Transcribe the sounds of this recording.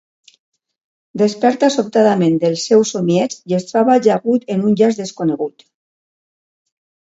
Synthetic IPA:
d̪espɛɾt̪asopt̪aðamẽnd̪elˠsɛwsomiɛt͡sjest̪ɾaβalʒaɣut̪enunʲʎazðeskoneɣut̪

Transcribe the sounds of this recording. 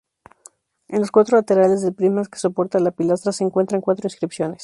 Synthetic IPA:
e̞nlo̞skwat̪ɾo̞lat̪e̞ɾale̞zðelpɾimaske̥so̞po̞ɾt̪alapilas̬t̪ɾase̞ːŋkwe̞nt̪ɾaŋkwat̪ɾoĩnskɾipsjo̞ne̞s

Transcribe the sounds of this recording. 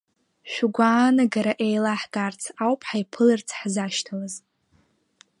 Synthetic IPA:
ʃʷᶣuɡʷaːnaɡaɾaʔejlaħɡart͡sʰawpʰħajpʰɨlɨrt͡sʰħzaʃtʰalaz

